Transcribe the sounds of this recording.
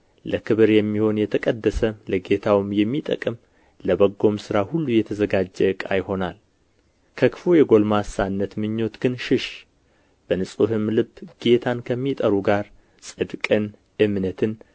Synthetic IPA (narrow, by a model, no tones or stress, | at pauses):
ləkʰɨβɨɾjɛmːiho̞njɛt̪ʰəkʼəd̪ːəsələɡe̞t̪ʰawɨmjɛmːit̪ʼə̰kʼɨm | ləbəɡːo̞msɨɾahulːujɛt̪ʰəzəɡad͡ʒːɛɨkʼa̰jho̞nal | kʰəkɨ̥fojɛɡo̞lmasanːət̪mɨɲːo̞t̪ɡ̥ɨnʃɪʃ | b̥ənɨsʼuɦɨmlɨbːɡ̥e̞t̪ʰankʰəmːit̪ʼəɾuɡaɾ | sʼɨd̪kʼɨn | ɨmnət̪ʰɨn